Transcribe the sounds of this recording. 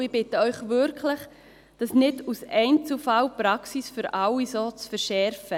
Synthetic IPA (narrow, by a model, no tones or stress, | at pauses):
ɪb̥ɪtəœʏχʋʏɾkʰləχ | d̥ɑsnɪdusɛɪnt͡sufɑwpɾɑksisfʏɾʔɑwisoːt͡sfɛɾʃɛɾfə